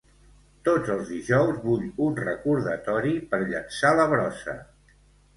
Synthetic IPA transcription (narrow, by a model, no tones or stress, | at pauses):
t̪od͡zəlˠzðiʒɔwzβuʎunrəkuɾðət̪ɔɾipəɾʎə̰nsaləβ̞ɾɔsə̰